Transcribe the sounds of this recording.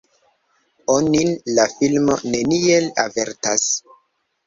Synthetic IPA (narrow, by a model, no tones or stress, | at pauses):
onilafilmo̞̰ne̞nielave̞ɾtas